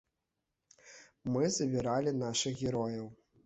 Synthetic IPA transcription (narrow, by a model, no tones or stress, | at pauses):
mɨzɐbʲiɾalʲin̪aʂɨxɣʲɛɾɔjɐw